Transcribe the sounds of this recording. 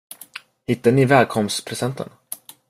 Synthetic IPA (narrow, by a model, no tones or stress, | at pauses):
hɪt̪ːaɳɪvɛːlkʰɔmst̪pʰɾɛsɛnt̪ʰə̰n